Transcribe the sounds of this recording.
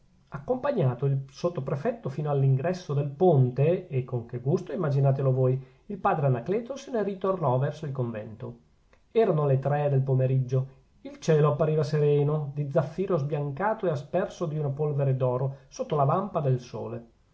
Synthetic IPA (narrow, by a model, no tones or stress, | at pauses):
akːompaɲːaːt̪oilsot̪ːopɾefɛt̪ːofiːnoalːiŋɡɾɛsːod̪elpont̪eːkːoŋk̟eɡust̪oimːad͡ʒinaːt̪̬elovoːj | ilpaːd̪ɾeanaklɛːt̪osenerit̪ornɔvɛrsoilkoɱvɛ̰nt̪o | ɛːɾanolet̪ɾɛd̪elpomeɾid͡ʒːo | ilt͡ʃɛːloapːaɾiːvaseɾɛːnod̪id̪zːafːiːɾozbjaŋkaːt̪oeaspɛrsod̪iunapolveɾed̪ɔːɾosot̪ːolavampad̪elso̰ːle